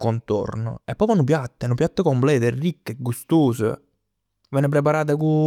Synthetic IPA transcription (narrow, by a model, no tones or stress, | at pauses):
kont̪o̰rnʊ̰ɛpːɔfanːʊpjat̪ːɛnʊpjat̪ːəkomplɛːt̪erːikːeɡːust̪oːsə̰ | vɛːnep̬ɾep̬aɾaːt̪̬aku